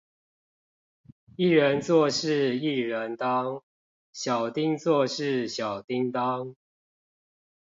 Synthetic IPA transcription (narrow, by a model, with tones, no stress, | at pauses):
i˥˩ɻə˨˦nt͡swɔ˥˧ʂɻ̩˥˨i˥˨ɻə˨˦nt̪ɑ˦ŋ | ɕjɑ˨˩ʊt̪i˥˦ŋt͡swɔ˥˧ʂɻ̩˥˨ɕjɑ˨˩ʊt̪i˦ŋt̪ɑ˦ŋ